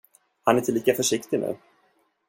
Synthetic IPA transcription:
hanæʈʰɪliːkafœʂɪkt̪ɪnʉ̟̰ː

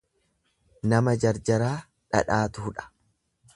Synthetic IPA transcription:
nɐmɐd͡ʒɐɾd͡ʒɐɾaː | ᶑɐ̰ᶑaːt̪ʊhʊᶑɐ̥

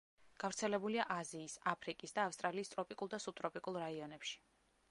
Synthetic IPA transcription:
ɡ̥avɾt̪sʰɛlɛbuliaʔaziːsapʰɾikʼisd̪aːfst̪ʼɾaliːst̪ʼɾɔpʼikʼulˠd̪asut̪ʼɾɔpʼikʼulˠɾaiɔnɛpʃi̥

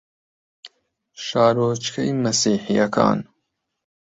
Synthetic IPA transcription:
ʃɑːɾoːt͡ʃkʰɐjmɐsiːħijɐkʰɑ̰ːn

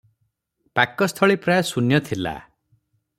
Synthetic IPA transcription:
pakɔst̪ʰɔɭipɾajɔsunjɔt̪ʰila̰

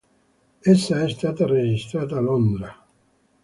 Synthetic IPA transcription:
esːaest̪aːt̪ared͡ʒist̪ɾaːt̪alond̪ɾa

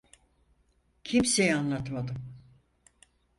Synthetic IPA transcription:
cʰimsejanlˠat̪mad̪ɯm

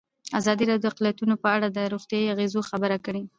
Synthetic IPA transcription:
azɑd̪iɾɑd̪joaqlijat̪unopəaɽad̪əɾoɣt̪jɑiaɣezoxabəɾakəɽi

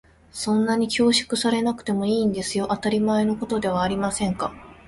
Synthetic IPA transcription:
sõ̞nːaɲ̟ikʲo̞ːɕi̥kɯ̟saɾe̞nakɯ̟̥t̪e̞mo̞iːnd̪e̞sɨjo̞ʔat̪aɾʲimae̞no̞ko̞t̪o̞d̪e̞β̞aːɾʲimasẽ̞ŋka

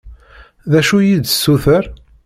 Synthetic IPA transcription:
ðæʃujid̪sːuθəɾ

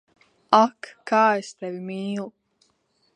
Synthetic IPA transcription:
akːaːɛst̪ɛvimiːlˠu

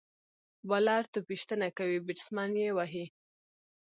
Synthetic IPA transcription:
balɑɾt̪opiʃt̪ənakawibɪʈsmɑnjewɑɦi

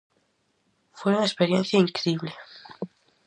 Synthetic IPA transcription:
fweunaespeɾjẽnθjaiŋkɾiβle

